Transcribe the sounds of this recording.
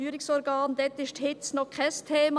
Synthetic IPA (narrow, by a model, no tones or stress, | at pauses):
yːɾɪksɔɾɡɑːnd̪ɛt̪ɪʃthɪt̪snɔχkʰɛst̪ʰeːmɑ